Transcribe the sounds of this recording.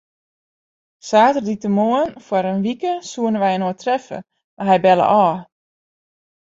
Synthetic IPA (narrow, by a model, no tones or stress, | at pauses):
saːtərditəmoənfwaɾənʋikəsuənəʋɛjənoːtrɛfə̰ | maɦɛjbɛlə̰ʔɔː